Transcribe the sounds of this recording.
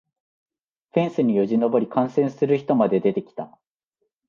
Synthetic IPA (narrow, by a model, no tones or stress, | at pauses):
ɸẽ̞ɰ̃sɨɲ̟ijoʑino̞bo̞ɾʲikãɰ̃sẽ̞ɰ̃sɨɾɯ̟çi̥t̪o̞mad̪e̞d̪e̞t̪e̞kʲi̥t̪a